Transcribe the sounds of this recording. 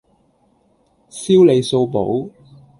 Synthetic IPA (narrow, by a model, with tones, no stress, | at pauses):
siː˥wle˨˧jso˧wpo̰˨˥w